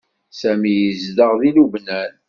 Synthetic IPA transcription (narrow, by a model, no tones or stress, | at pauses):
sæmijəzðəʁðiluvnæl